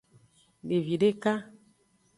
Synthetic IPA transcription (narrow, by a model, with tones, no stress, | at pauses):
de˨vi˨ɖe˦ka˦